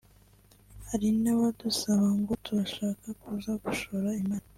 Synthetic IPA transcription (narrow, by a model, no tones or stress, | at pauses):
haɾinaβadusaβaŋɡo̞tuɾaʃaːkakuːzaɡuʃoɾaimaːɾa